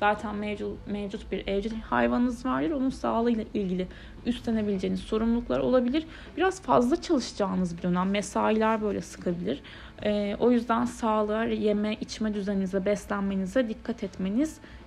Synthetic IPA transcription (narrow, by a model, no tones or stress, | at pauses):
z̥aːt̪ʰænmɛmevd͡ʒut̪̚biɾɛvd͡ʒiha̰jvannɯzvaɾd̪ʲɯɾo̞nunsaːlˠɯjlˠaʔilʲɟilʲɪ | yst̪lʰʲe̞ne̞bilʲed͡ʒeːnisso̞ɾumlˠuklˠaɾo̞̰lˠabilʲiɾ | b̥iɾaz̥fa̰zlˠat͡ʃʰalˠɯʃd͡ʒaːnɯzbid̪ø̞næmːesaːilʲæɾbø̞jlʲɛsɯ̥kʰabilʲiɾ̥ | ɛːo̞jyzd̪ænsaːlˠaɾje̞mɛʔit͡ʃmɛd̪yzeninizɛbɛst̪lʲænme̞nizd̪ɛd̪ikʰːat̪ʰɛt̪me̞niz̥